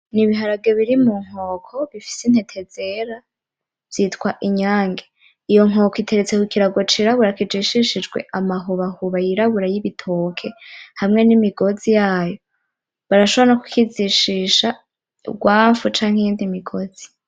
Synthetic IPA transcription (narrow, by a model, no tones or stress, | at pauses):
niβiɦaɾab̚ɡeβiɾimuŋ̥o̞ːkʰo̞βifi̥sin̥he̞tʰe̞z̥e̞ɾa | v̥jitkwaʔiɲaːŋɡe | ijo̞ŋo̞koitʰe̞ɾet͡sekukiɾaɡot͡ʃiɾaβuɾakid͡ʒiʃiʃid͡ʒɡwe̞̰ʔamaɦuβahuβajiɾaβuɾajiβitʰoːkʰe̞hamŋe̞nimiɡo̞zijaːjo̞ | βaɾaʃoβoɾanaku̥kiziʃiʃa̰ | ɡwaːfut͡ʃaːŋ̥ijiːndimiɡo̞z̥i̥